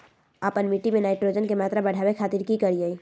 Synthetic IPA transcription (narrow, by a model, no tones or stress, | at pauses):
aːpənmiʈimẽnaːɪʈɾod͡ʒənkemaːt̪ɾabəɽ̤ʱaːbekʰaːt̪iɾkikəɾiəi